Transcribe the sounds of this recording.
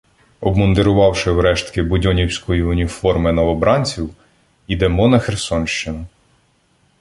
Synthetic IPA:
ɔbmɔnd̪eɾʊʋɑwʃɪwɾɛʃt̪kɪbʊdʲɔnʲiwsʲkɔjiʊnʲifɔrmɪnɔʋɔbɾɑnʲt͡sʲiw | id̪ɛmɔnɐxersɔnʃt͡ʃɪnʊ

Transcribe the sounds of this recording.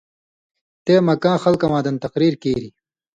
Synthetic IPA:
t̪eːmɐkãːxɐlkɐmãːd̪ɐnt̪ɐqɾiːɾkeːɾi

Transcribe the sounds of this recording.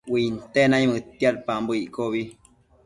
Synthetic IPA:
wint̪enãɲmət̪jalpambəiʔkoβi

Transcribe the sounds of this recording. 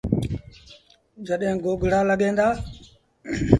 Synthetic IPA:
d͡ʒəɗɦɪ̃ɡoːɡɽaːləɠẽːnd̪aː

